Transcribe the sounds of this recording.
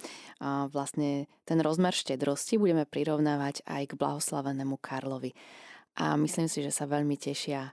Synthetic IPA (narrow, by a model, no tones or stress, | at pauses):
ʋlast̪ɲɛt̪ɛnɾɔzmɛɾʃcɛd̪ɾɔscibuɟɛmɛpɾiɾɔʊnaːʋaɟa̰jɡbla̰ɦɔslaʋɛnɛːmukʰaɾlɔʋiʔa̰misliːmsiʒɛsaʋɛʎmicɛʃɪa